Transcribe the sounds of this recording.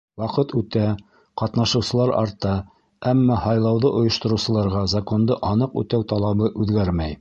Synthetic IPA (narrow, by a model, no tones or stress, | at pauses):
wɑqɤt̪ʉt̪æ | qɑt̪nɑʃɤ̆wsɤ̆lˠɑɾɑ̰ɾt̪ɑ | æmːɑhɑjlˠɑwðɤʔŏjŏʃt̪ŏɾɤwsɤ̆lˠɑɾʁɑzako̞nd̪ɤʔɑnɤqʉ̰t̪æwt̪ɑlˠɑβɤʔʉðɡæɾmæj